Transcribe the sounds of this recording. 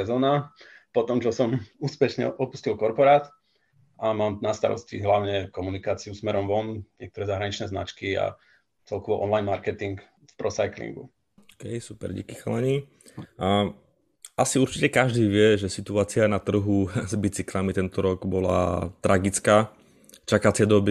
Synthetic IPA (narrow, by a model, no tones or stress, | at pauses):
ɛzɔːnapɔt̪ɔmt͡ʃɔsɔmuːspɛʃɲɛ̰ʔɔpu̥scilkɔɾpɔɾaːt̪ | ʔamaːmnast̪a̰ɾɔ̰scḭɦlaʊɲɛkɔmunikaːt͡siusmɛɾɔmʋɔnɲɪɛkt̪ɔɾɛːzaɦɾaɲit͡ʃnɛːzna̰t͡ʃkia̰ | t͡sɛlkɔʋɔʔɔnlajnmaɾkɛt̪iŋk | fpɾɔsajklḭŋɡṵ | ɔkɛjsupɛ̰ɾɟḭkixlaɲiː | ʔasiuɾt͡ʃicɛkaʒd̪iːʋɪɛʒɛsit̪uaːt͡sianat̪r̩ɦuzbit͡siklamit̪ɛnt̪ɔɾɔɡbɔla̰t̪ɾʔaɡit͡skaː | t͡ʃakat͡sɪɛd̪ɔbi